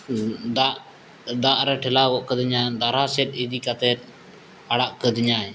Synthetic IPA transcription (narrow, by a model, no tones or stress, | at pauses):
d̪aʔ | d̪aʔɾɛʈʰɛlaɡɔʔkəd̪iɲad̪aɾasɛt̪̚id̪ikat̪ɛɾ | aɽaʔkəd̪iɲaɛ